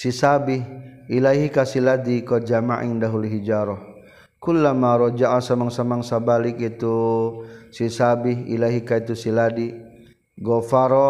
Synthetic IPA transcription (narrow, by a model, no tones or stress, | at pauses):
sisabihilaɦikasiladikɔd͡ʒamaʔḭŋdaɦuluɦid͡ʒaɾɔh | kulːamaɾɔd͡ʒaʔasamaŋsamaŋsabalikit̪u | sisabiɦḭlaɦikait̪usiladi | ɡɔfaɾɔ